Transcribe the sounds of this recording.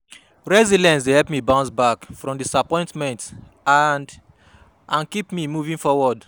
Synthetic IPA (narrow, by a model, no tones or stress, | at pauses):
ɹɛzidɛ̃ns̬dehɛpmibãʊ̃nsbakfɹɔ̃mdisapɔ̃ɪ̃ntmɛ̃nt | and | ʔãnkipmimuvĩŋfɔwɔd